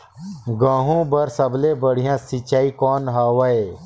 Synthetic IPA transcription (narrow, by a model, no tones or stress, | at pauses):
ɡãːɦũbɐɾsəblebəɽ̤ijãːsit͡ʃaːikɔːnɦaːwae